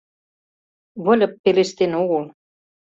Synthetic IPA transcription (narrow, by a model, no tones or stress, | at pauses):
βɤ̆lʲɤ̆pːeleʃt̪enoɣɤl